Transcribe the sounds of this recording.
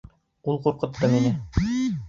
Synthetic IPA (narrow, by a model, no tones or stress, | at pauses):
ulˠquɾqɤ̆t̪ːɤminɘ